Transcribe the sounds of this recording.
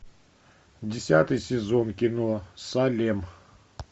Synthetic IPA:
dʲɪsʲat̪ɨjsʲɪzonkʲɪnosalʲem

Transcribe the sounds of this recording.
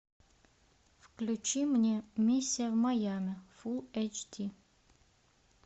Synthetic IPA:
fklʲut͡ʃimnʲemʲisʲːijɐvmajamʲefulˠɛt͡ʃtʲʰi

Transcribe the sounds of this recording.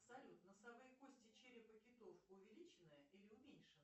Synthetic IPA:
psɐlʲut̪nəsɐbɨjkosʲtʲɪt͡ɕeɾʲɪpəkʲɪt̪ofʊvʲɪlʲit͡ɕɪnːəjəʔilʲɪʊmʲenʲʂɨn

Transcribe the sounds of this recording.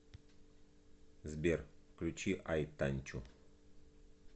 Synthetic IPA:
zbʲerklʲut͡ɕiʔajt̪anʲt͡ʃu

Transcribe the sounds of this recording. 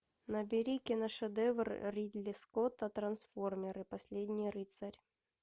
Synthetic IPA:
nɐbʲɪɾʲikʲɪnɐʂɛd̪ɛvrrʲid̪lʲɪskot̪ɐt̪ɾɐnsformʲɪɾɨpɐsʲlʲedʲnʲɪjɾɨt̪sɐɾʲ

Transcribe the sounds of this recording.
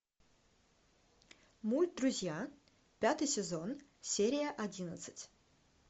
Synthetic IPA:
mulʲt̪̚d̪ɾʊzʲja | pʲat̪ɨjsʲɪzonsʲeɾʲɪjəʔɐdʲinət̪sɨ̥tʲ

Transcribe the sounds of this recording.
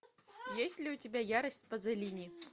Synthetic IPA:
jesʲtʲlʲɪʊtʲɪbʲajaɾəsʲtʲpɐzɐlʲinʲɪ

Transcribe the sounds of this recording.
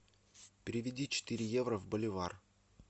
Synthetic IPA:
pʲɪɾʲɪvʲɪdʲit͡ɕɪ̥t̪ɨɾʲɪjevɾəvbəlʲɪvar

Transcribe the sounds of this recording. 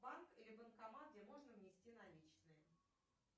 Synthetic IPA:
bankilʲɪbənkɐmaɡ̚dʲemo̞ʐnəvnʲɪsʲtʲinɐlʲit͡ɕnɨjə

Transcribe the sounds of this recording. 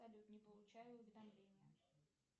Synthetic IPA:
ɐlʲut̪nʲɪpəlˠʊt͡ɕæjʊʊvʲɪd̪ɐmlʲenʲɪjə

